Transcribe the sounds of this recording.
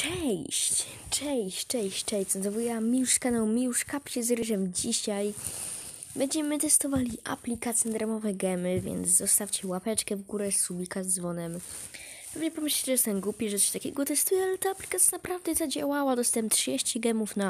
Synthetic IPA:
t͡ʂɛjɕt͡ɕ | t͡ʂɛj̃ɕt͡ʂɛ̃ɕt͡ɕt͡ʂɛj̪snt̪ɔvujɛmʲiuʂskanawmʲijuʂkapt͡ɕɛzɾɪʐɛmd͡ʑiɕaj | bɛɲd͡ʑɛmɘt̪ɛst̪ɔvalʲiʔa̰plʲikat̪sʲjɛd̪ɾamɔvɛɡɛmɘvʲjɛ̰nd̪zzɔst̪aft͡ɕɛwapɛt͡ʂkɛvɡuɾɛsubʲikazd̪zvɔnɛm | pɛvɲɛpɔmɘɕlɛt͡ɕɛʐɛst̪ɛmɡwupʲɛʐɛt̪t̪akʲɛ̰ɡɔt̪ɛst̪ujɛalɛt̪aaplʲikat̪sʲjanapɾavd̪ɛzad͡ʑawawad̪ɔst̪ɛmpt̪ʂaɕt͡ɕɛɡɛmufna

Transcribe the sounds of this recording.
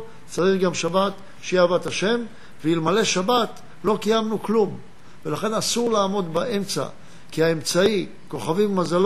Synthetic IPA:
t͡saʁiχɡamʃabat̪ | ʃejavat̪aʃe̞m | veilmale̞ʃabat | lo̞kajamnuklum | velaχe̞nasuʁlaːmo̞d̪baʔe̞mt͡sa̰ | kiae̞mt͡sai | ko̞χavimːazal

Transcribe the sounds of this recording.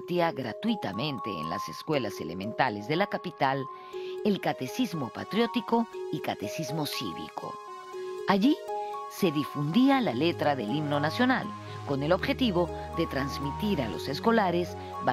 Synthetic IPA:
t̪iaɣɾa̰t̪wit̪amẽ̞nt̪ḛːnla̰se̞skwe̞laselḛmẽ̞nt̪ale̞zðe̞lakapit̪al | elkat̪e̞sizmo̞pa̰t̪ɾjo̞t̪iko̞ikat̪e̞sizmo̞sḭβḭkʰo̰ | aʝise̞ðifund̪ialale̞t̪ɾaðelimno̞nasjo̞na̰l | ko̞ne̞lo̞βxe̞t̪iβo̞ | ðe̞t̪ɾanzmit̪iɾalo̞̰se̞sko̞laɾe̞z | ba

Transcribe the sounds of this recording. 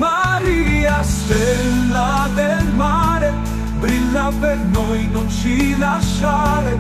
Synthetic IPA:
maɾiast̪elːa | d̪elmaːɾe | bɾilːapernojnont͡ʃilaʃːaɾe

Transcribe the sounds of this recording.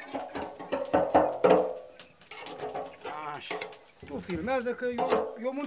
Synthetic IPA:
aʃ | t̪ufilmɛzɐkəjojomun

